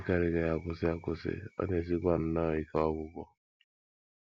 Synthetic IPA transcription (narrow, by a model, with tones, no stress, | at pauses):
ka˨ɾɪ˦ɡa˨ja˨kʊ˦sɪ˦a˦˨kʊ˦sḛ˦ɔ̰˦ne˨s̬i˦ɡʷa˨n̩˦na˦˨i˦ka˦ɔ˦ɡʊ˦ɡɔ˦